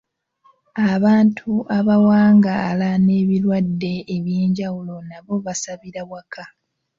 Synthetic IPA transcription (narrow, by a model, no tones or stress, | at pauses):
aβaːntʰuʔaβawaːŋɡaːlane̞ːβiɾwadːe̞ːβjeːɲɟawulo̞naβo̞βasaβiɾawakʰa